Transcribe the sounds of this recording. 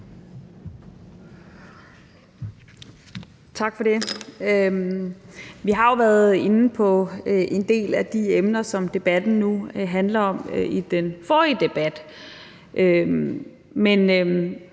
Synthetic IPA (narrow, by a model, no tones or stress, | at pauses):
t͡sʰɑ̈ɡ̥fɒ̽de̝ | ʋiɦɑ̈jo̝ʋæːɐð̞̩ˠe̝nn̩pʰɒ̽ʔe̝nd̥e̝̰ːlæd̥iemnɐsɒ̽md̥e̝b̥æd̥n̩nuɦænlɐɒ̽m̰id̥enfɒːiəd̥e̝b̥æd̥ | ʔø | men